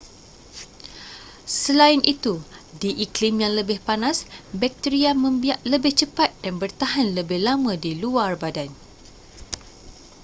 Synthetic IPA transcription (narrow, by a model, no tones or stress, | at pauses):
səlaɪnʔit̪udiʔiklimjaŋləbɪhpanãsbɛk̚t̪iɾiamə̃mbiaʔləbɪht͡ʃəpat̪̚d̥anbərt̪aɦanləbɪhlamãdiluarbadan